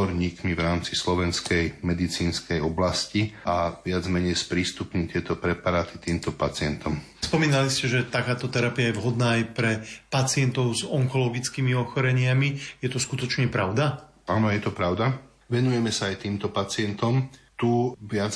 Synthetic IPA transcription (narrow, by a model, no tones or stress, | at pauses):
ɔɾɲiːkmiʋɾaːmt͡sislɔʋɛnskɛjmɛd̪it͡siːnskɛjɔblasciaʋɪad͡zmɛɲɛjspɾiːst̪upɲit̪ɪɛt̪ɔpɾɛpaɾaːt̪it̪iːmt̪ɔpat͡sɪɛnt̪ɔm | spɔmiːnaliscɛʒɛt̪akaːt̪ɔt̪ɛɾapiajɛvɦɔd̪naːajpɾɛpat͡sɪɛnt̪ɔʊzɔŋkɔlɔɡit͡skiːmiɔxɔɾɛɲɪamijɛt̪ɔskut̪ɔt͡ʃɲɛpɾaʊd̪a | anɔjɛt̪ɔpɾaʊd̪a | ʋɛnujɛmɛsaːjt̪iːmt̪ɔpat͡sɪɛnt̪ɔm | t̪uʋɪad͡z